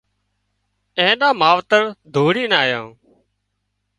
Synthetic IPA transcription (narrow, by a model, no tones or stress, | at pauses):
ẽːɗãːmaːʋt̪əɾd̪ʱuːɽiːnaːjãː